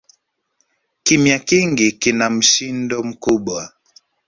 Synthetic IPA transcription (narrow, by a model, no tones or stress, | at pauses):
kimjakiŋɡikinam̩ʃindɔm̩kuɓwa